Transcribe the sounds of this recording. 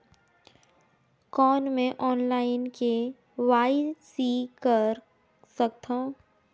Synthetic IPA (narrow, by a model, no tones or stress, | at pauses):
kɔːnmẽʔɔːnlaːɪnke | ʋaːɪsikəɾ | sək̚t̪ʰã